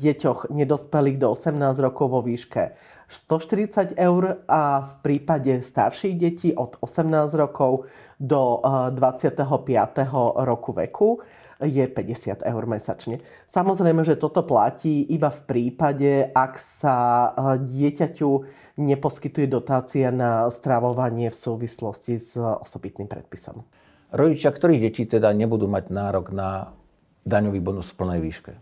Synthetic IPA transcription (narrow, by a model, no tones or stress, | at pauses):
ɟɛcɔɣɲɛd̪ɔspɛliːɣd̪ɔɔsɛmnaːzɾɔkɔʊʋɔʋiːʃkɛ̰ | st̪ɔʃt̪iɾit͡saɟɛʊɾʔafpɾiːpaɟɛst̪a̰ɾʃiɣɟɛciːʔɔd̪̥ɔsɛmnaːzɾɔkɔʊ | d̪ɔd̪ʋat͡sɪat̪ɛɦɔpɪa̰t̪ɛɦɔɾɔkuʋɛ̰kʰu | jɛpɛɟɛsɪa̰t̪ɛ̰ʊɾmɛsa̰t͡ʃɲɛ | samɔzɾɛjmɛʒɛt̪ɔt̪ɔpla̰ciːʔibafpɾiːpaɟɛaksaɟɪɛcacu | ɲɛpɔskit̪ujɛd̪ɔt̪aːt͡sianast̪ɾaʋɔʋaɲɪɛfsuːʋislɔscizɔ̰sɔbit̪niːmpɾɛ̰t̪̚pisɔ̰m | ɾɔɟit͡ʃɪakt̪ɔɾiːɣɟɛciːt̪ɛd̪aɲɛbud̪uːmaɟnaːɾɔɡna | d̪aɲɔʋiːbɔnusfpl̩nɛjʋiːʃkɛ